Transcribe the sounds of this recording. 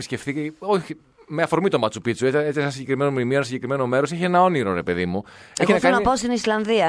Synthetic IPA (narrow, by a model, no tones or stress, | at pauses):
pisce̞fθioçi | meɐfoɾmit̪omɐt͡supit͡sueeesɐsiɲɟe̞kɾime̞nomimioenɐsiɲɟekɾime̞no̞me̞ɾo̞seçie̞nɐo̞niɾo̞ɾe̞pe̞ðimu | eçinnɐɐnɐpost̪inislɐnðiɐ